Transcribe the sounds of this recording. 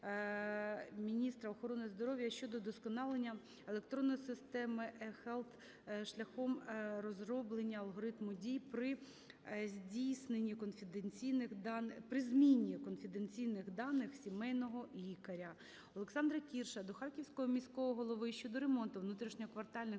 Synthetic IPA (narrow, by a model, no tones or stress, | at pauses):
mʲinʲist̪ɾɐɔxɔɾɔnɪzd̪ɔɾɔʋʲjɐʃt͡ʃɔd̪ɔd̪ɔskɔnɑlˠenʲːɐ | elˠek̚t̪ɾɔnːɔjsɪst̪ɛmɪʔxɛlˠt̪ | ʃlʲɐxɔmrɔzrɔblˠenʲːɐɐlˠɦɔɾɪt̪mʊdʲijpɾɪ | zʲdʲijsnenʲːikɔnfʲɪd̪ent͡sʲijnɪxd̪ɑnpɾɪzmʲinʲːikɔnfʲɪd̪ent͡sʲijnɪxd̪ɑnɪxsʲimɛjnɔɦɔlʲikɐɾʲɐ | ɔlˠeksɑnd̪ɾɐkʲirʃɐd̪ɔxɑrkʲiwsʲkɔɦɔmʲisʲkɔʋɔɦɔlˠɔʋɪʃʲt͡ʃɔd̪ɔɾemɔnt̪ʊʋnut̪ɾʲiʃnʲɔɔkʋɐrt̪ɑlʲnɪ